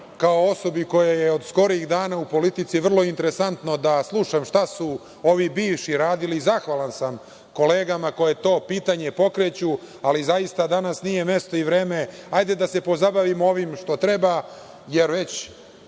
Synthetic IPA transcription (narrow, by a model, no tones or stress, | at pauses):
kao̞o̞so̞biko̞jajeod̪sko̞ɾiɣd̪aːnaupo̞lit̪it̪siʋr̩lˠo̞int̪eɾesant̪no̞d̪aslˠuʃamʃt̪asu | o̞ʋibiːʋʃiɾaːd̪ilizaxʋalˠansam | ko̞leːɡamako̞jet̪o̞ːpiːt̪aɲe̞po̞kɾet͡ɕu | alizaist̪ad̪anasnije̞me̞st̪o̞iʋɾeːmeajd̪ed̪ase̞po̞zabaʋimo̞ʋimʃt̪o̞t̪ɾe̞ba | jeɾʋe̞t͡ɕ